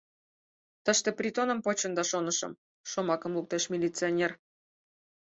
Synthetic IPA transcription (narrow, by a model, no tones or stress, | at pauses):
t̪əʃt̪ĕprʲit̪onə̆mpot͡ɕənd̪ɑʃonəʃə̰̆m | ʃomɑkəmluk̚t̪eʃmʲilʲit͡sɨonʲer